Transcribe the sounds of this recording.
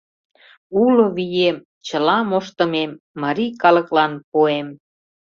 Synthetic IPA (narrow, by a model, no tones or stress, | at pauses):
uloβijem | t͡ɕəlɑmoʃt̪ə̆memːɑɾikɑlə̆klɑnpoem